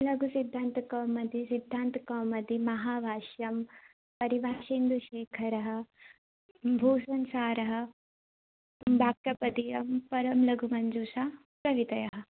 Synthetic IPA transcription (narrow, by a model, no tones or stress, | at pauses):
lɐɡʱusid̪ʱːaːnt̪ɐkɐːmɐd̪isid̪ʱːaːnt̪ɐkɐːmɐd̪imɐɦaːbʱaːʃjɐm | pɐɾibʱaːʃeːnd̪uʃeːkʰɐɾɐɦɐ̆ | bʱuːsɐnsaːɾɐɦɐ̆ | bʱaːk̚t̪ɐpɐt̪ijɐmpɐɾɐmlɐɡʱumɐnd͡ʒuːʃaː | pɾɐʋit̪ɐjɐɦɐ̆